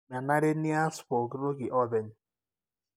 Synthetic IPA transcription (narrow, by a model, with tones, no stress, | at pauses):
ma˨na˦ɾɪ˦ni˦a˦spo˨ɡɾo˦ɡɪ˨ʔɔ˦de˨n˨